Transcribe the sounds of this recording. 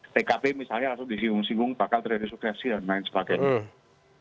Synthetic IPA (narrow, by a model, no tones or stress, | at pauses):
p̪ekapemisalɲalasʊdisiŋɡʊŋsiŋɡʊŋpakalt̪ərd͡ʒadisuksɛsidanlaɪnsə̥pakɛ